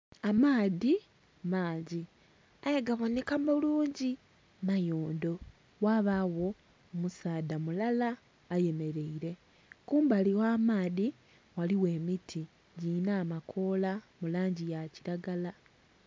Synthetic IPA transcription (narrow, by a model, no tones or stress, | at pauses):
amaːði | maːɲɟi | ajeɡaβonekamboluːɲɟi | najoːndo̞ | waβawo̞ː | musaːdamulalaː | je̞me̞ɾe̞iɾe̞ | kuːmbaliwaːmaːði | waliwe̞ːmitʰi | ɟinaːmakʰo̞ːlamulaːɲɟijaci̥ɾaɡala